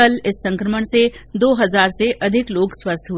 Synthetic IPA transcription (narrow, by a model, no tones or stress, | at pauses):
əlɪsːɐ̃ŋkɾəməɽ̃se | d̪oːɦɐzaːɾseʔɐd̪ʱɪkloːɡswɐst̪ʰɦu